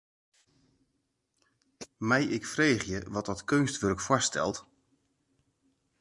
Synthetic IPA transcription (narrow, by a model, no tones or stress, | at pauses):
mɛjɪkfreːχjəʋɔt̚dɔtkʰønstʋørkfwɔstʰɛ̰lˠt